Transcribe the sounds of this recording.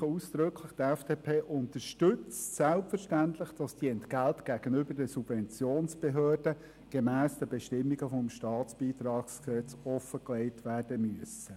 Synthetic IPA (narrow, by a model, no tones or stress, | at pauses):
uːsd̥ɾɵkʰləχtɛfd̥eːpʰeːʔʊnt̪əɾʃtɵt͡stsælpfəɾʃtænt̪lɪχd̥ɑsd̥iːɛntɡ̥æltɡ̥æːɡ̥ənʏbəɾdɛsub̥vɛnt͡sjoːnsb̥eɦøːrd̥ə | ɡ̥emæːsd̥əbɛʃtɪmːiɡəfɔmʃtɑːtt͡sb̥iːt̪ɾɑːksksɛt͡sɔfəkleɪtʋæːrd̥əmyəsə